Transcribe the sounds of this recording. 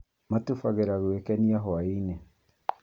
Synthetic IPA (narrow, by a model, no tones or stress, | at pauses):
matufaɣeɾaɣwekɛniaɦɔaine